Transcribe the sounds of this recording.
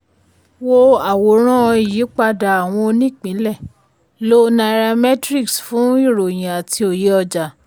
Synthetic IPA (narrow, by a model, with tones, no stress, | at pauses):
wo˦a˨wo˨˦ɾ̃ã˦˧˨ji˨˦k͡pa˧da˨a˨w̃ɔ̃˧o˧nĩ˦˨k͡pĩ˨˦lɛ˦˨ | lo˦nã˧˦ɾa˧mɛ˦tɾi˦ksfũ˨˦i˦˨ɾo˨j̃ã˨a˨tʰi˧o˨je˨˦ɔ˧d͡ʒa˨